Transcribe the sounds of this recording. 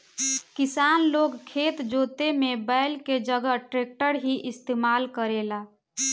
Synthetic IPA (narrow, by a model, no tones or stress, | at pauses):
kisanloɡkʰet̪d͡ʒot̪emebəɪlked͡ʒəɡəʈɾek̚ʈəɾɦiʔɪst̪eːmalkəɾela